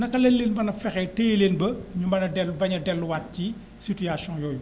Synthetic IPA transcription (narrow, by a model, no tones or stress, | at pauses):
nɐkɐlɛllːeːnbɐnɐfɛxɛteːleːnbɐɲumbɐnɐdɛlbɐɲɐdɛlːuwat̚ci | situjasjɔ̃njɔːju